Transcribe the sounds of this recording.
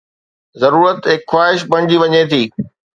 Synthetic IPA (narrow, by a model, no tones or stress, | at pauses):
zɐɾuːɾət̪ɦɪkxwaːɪʃbɐɽ̃d͡ʑiʋɐɲet̪ʰiː